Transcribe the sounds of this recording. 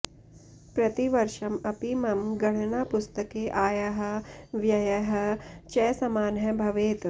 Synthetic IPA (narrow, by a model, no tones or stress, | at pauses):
pɾɐt̪iʋɐɾʃɐmɐpimɐmɡɐɽ̤̃ɐnaːpust̪ɐkeːʔaːjɐɦɐ̆ʋjɐjɐɦɐ̆t͡ʃɛːsɐmaːnɦɐbʱɐʋeːt̪